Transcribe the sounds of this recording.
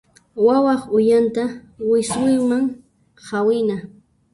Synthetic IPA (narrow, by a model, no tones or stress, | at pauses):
wawɑχʊjant̪awɪsʊjmaŋ | hawɪna